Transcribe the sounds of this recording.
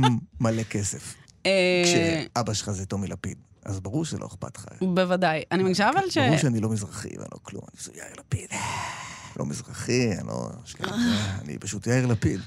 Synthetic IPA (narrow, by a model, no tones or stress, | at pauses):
malekesef | eʃeabaʃelχazetomilapid̪ | azbaʁuʁʃelʔoeχpa̰t̪χa̰bevadajanimaɡiʃavalʃbeuʁʃeanilo̞mizʁaχḭvḛnlo̰klṵma̰nizojaiʁlapid̥̪ | lo̰mizʁaχianlo̰ʃkaaanḭpaʃutjaiʁlapid